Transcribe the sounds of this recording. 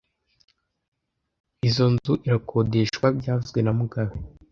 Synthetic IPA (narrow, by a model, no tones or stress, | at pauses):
izo̞nzuʔiɾakʰo̞de̞ʃwabɟaːvuzɡwe̞namuɡaβe